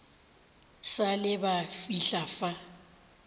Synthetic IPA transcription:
salɪbafiɬafa

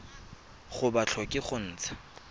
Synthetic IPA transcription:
χʊbat͡ɬʰɔkʼɪχʊn̩ːt͡sʰḁ

